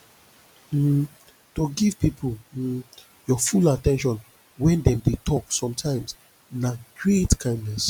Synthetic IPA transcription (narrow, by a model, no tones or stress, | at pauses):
toɡiv̥pipʰl̩ | jɔfulatɛ̃nʃ̬ɔ̃n | wɛ̃ndɛ̃mdetʰɔksɔ̃mtʰãɪ̃ms | naɡɹetkʰãɪ̃ndnɛs